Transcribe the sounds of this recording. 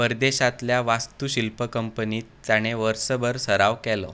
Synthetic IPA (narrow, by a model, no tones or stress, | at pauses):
pəɾd̪eɕat̪ljaʋast̪uɕilpəkəmpəniːt̪ːjaɽ̃eʋəɾsəbʱəɾsəɾaʋkɛlɔ